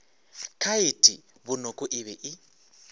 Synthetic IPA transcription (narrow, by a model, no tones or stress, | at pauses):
kʰaitʼi | βunɔkʼɔʔiβɛʔɪ